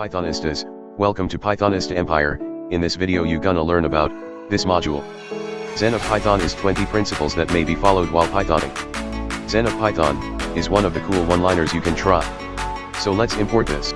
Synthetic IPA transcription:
paɪθɑnɨstɪz̥ | wɛlˠkə̃mtʰɨpʰaɪθɑnɨstɛ̃mpʰaɪə̰˞ɨ̃nðɪsvɪɾioʊjɨɡʌ̃nəlɜ̃˞nɨbaʊt̪̚ | ðɪsmɑd͡ʒul̩ˠ | z̥ɛ̃nʌv̥pʰaɪθɑ̃nɨz̥tʰw̥ɛ̃ntipʰɹ̥ɪ̃nsɨpl̩ˠzðɨt̚meɪbifɑlˠoʊd̚waɪlˠpʰaɪθɑ̰̃nɪ̰̃ŋ | z̥ɛ̃nʌv̥pʰaɪθɑ̰̃nɨzwʌ̃nʌvðɨkʰulˠwʌ̃nlãɪ̃nə˞zjɨkɨ̃ntʰɹ̥aɪ | soʊlɨtsɨ̃mpʰɔɹt̪̚ðɪ̰s

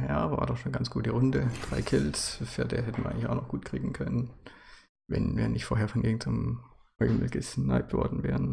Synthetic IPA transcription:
jaːva̰ːɐdɔχʃoːnɡant͡sɡ̥uːtdiʁʊndəd̥ʁaɪkʰɪlsfɪɐdeːɐɦɛtən̩ɐʔaɪŋ̩lɪçaʊnɔχɡ̥uːtkʁ̥iːɡŋ̩kʰœnən | vɛ̰nvḭːɐnʔɪçtfoːɐɦeːɐfɔnɡɪŋ̩t͡sʊmhɔʏml̩ɡ̥əsna̰ɪp̚tv̥ɔ̰ɐdn̩vɛ̰ːʁən

